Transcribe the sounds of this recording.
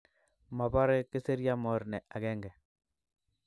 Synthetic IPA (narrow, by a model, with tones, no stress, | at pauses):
ma˨ba˦ɾe˦ke˦se˦ɾja˦mɔ˨ɾnɛ˨ʔa˨ɡɛ˦ŋɡɛ˨